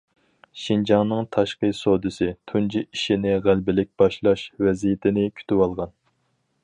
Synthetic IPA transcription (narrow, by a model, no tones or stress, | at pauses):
ʃind͡ʒɑŋnɨŋt̪ʰɑʃqəjsod̪ɨsɪt̪ʰund͡ʒiʔiʃinɪʁælbɪlɪk̚ʲb̥ɑʃlˠɑʃvɛzijɪt̪ʰɪnɪkʲʰy̥t̪ywɑlˠʁɑn